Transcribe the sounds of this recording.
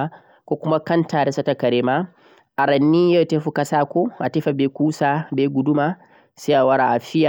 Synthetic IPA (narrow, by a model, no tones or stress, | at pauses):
a | kʷoːkʷʊmakɐntaːɾɛsatɐkɐɾeːma | ʔaɾɐnːiːjɐwteːɸukɐsaːkʷoːʔateɸabeːkʷuːsaːbeːɡʊdʊmaː | seʔawɐɾaʔaɸɪja